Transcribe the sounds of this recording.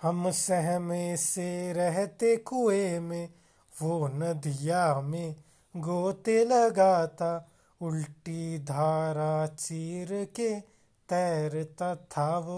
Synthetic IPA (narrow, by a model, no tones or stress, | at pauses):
hɐmsɛɦmẽseɾɛɦt̪ekʊemẽ | ʋonɐd̪ijamẽ | ɡoːt̪elɐɡaːt̪a | ʊlʈid̪ʱaːɾat͡ʃiːɾke | t̪ɛːɾt̪at̪ʰaʋ